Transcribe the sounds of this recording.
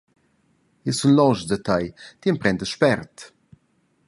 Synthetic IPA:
jəsunlɔʒdət̪ʰajt̪iənpɾɛnd̪əʃpɛɾt̪

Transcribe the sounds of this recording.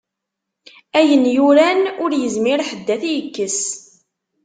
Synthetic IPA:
æjənjʊɾænʊɾjəzmɪɾħəd̪ːæθijəkːəs

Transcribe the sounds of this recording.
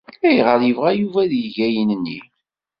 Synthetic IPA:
æjʁəɾjəvʁæjuvæðjəʝæjənənːḭ

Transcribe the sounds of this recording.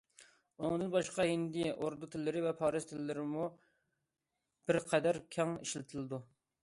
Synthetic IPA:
uŋd̪ɨnbɑʃqɑɦind̪iʔoɾd̪ut̪ʰɪlːɪɾɪvɛpʰɑːɾɨz̥t̪ʰɪlɪːɪɾɪmu | b̥ɪɾqʰɛd̪æɾkʲʰɑŋiʃlɪt̪ʰɪlɨd̪u

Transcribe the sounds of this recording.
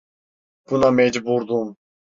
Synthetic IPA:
b̥unɑmɛd͡ʒbuɾd̪um

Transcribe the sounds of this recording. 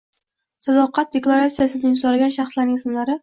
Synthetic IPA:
sad̪ɒqɑt̪̚d̪eklˠaɾat̪sijasɪd̪aimsɒlaɡʲanʃaχslaɾnɪŋsɪmlaɾɪ

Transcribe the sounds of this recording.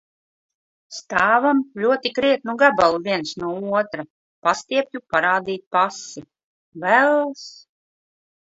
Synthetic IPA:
st̪aːvamlʲuɔt̪ikɾiɛt̪̚nuɡabalˠvʲiɛnsnuɔuɔt̪ɾa | past̪iɛpʲjʲupaɾaːd̪iːt̪̚pasi | vælˠs

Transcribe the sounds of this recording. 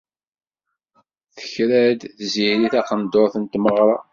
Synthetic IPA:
θə̥çɾæd̪θziɾiθæqənd̪oɾˤθənt̪məʁɾˤɑ

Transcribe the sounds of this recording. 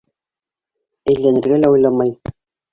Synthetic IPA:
æjlːænɘ̆ɾɡælæujlˠɑmɑj

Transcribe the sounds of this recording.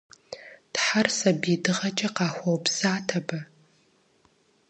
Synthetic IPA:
tħarsɐbidɨʁɐt͡ʃʼɐqɑːxʷɔwpsaːtʰɐbɐ

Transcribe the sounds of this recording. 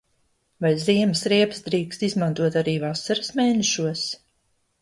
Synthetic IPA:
vajziɛməsɾiɛpsd̪ɾiːkst̪izmant̪uɔt̪aɾiːvasaɾəsmeːnɛʃuɔs

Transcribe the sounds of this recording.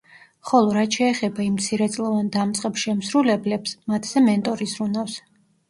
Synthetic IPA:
χɔlˠɔɾat̪ʃɛːχɛbaimt̪sʰiɾɛt̪sʼlˠɔvand̪amt̪sʼqʼɛpʃɛmsɾulɛblɛpsmat̪ʰz̥ɛmɛnt̪ʼɔɾisɾunafs

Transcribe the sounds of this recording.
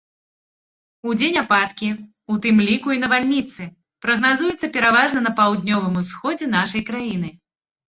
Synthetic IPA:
ud͡zʲenʲapat̪kʲi | ut̪ɨmlʲikuinɐvalʲnʲit̪sɨ | pɾɐɣnazujɛt̪sɐpʲɛɾavaʐnɐnɐpawd̪̚ʲnʲɔvɨmusxɔd͡zʲɛnaʂɐjkɾajin̪ɨ

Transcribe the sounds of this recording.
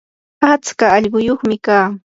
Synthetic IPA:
at͡skaːʎɢʊjoχmɪkaː

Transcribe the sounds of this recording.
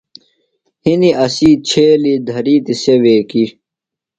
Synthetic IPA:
hiniɐsiːt͡ɕʰeːlid̪ʱɐɾiːt̪iseweːki

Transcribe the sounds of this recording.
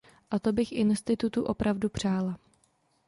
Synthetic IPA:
ʔat̪o̞bɪxʔɪnst̪ɪt̪ut̪uʔo̞pɾavdupr̝̥aːla

